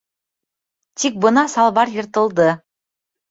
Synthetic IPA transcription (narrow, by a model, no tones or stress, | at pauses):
t̪ik̚bɤ̆nɑsɑlˠβɑɾjɤ̆ɾt̪ɤ̆lˠd̪ɤ